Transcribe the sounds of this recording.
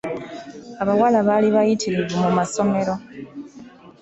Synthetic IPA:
aβawalaβaliβajitʰiɾibemumaso̞me̞ɾo̞

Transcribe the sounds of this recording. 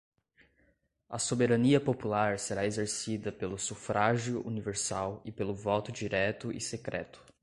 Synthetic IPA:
ɐsobeɾɐniɐpopulaɾseɾaezeɾsid̪ɐpelʊsufɾʔaʒjʊʔuniveɾsawɪpelʊvɔt̪ʊd͡ʒiɾɛt̪ʊʔɪ̰sekɾɛ̰t̪ʊ̥

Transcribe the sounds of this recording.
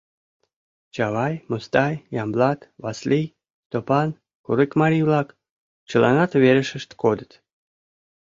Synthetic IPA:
t͡ɕɑβɑjmost̪ɑjjɑmblɑt̪βɑslij | st̪opɑn | kuɾikmɑɾiβlɑk | t͡ɕəlɑ̰nɑt̪βeɾəʃə̆ʃt̪kod̪ət̪

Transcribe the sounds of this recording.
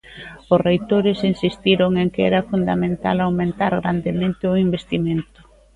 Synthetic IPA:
ʊsrejt̪oɾɪsinsist̪iɾoŋeŋkɛ̰ɾɐfund̪amẽnt̪a̰lawmẽnt̪aɾɣɾand̪emẽnt̪ɪʊimbest̪iment̪ʊ̥

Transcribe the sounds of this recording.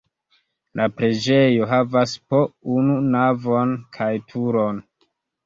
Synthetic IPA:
lʔapɾed͡ʒe̞jo̞ɦavaspo̞ununavo̞nkʰajtʰuɾo̞n

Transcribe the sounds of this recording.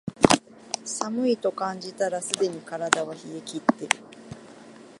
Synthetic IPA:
samɯ̟it̪o̞kãɲ̟d͡ʑit̪aɾasɨd̪e̞ɲ̟ikaɾad̪aβaçiekʲit̪ːe̞ɾɯ̟

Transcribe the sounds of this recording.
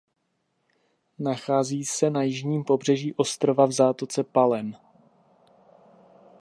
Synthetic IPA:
naxaːziːsɛnajɪʒɲiːmpo̞br̝ɛʒiːʔo̞st̪ɾo̞vavzaːt̪ot͡sɛpalɛn

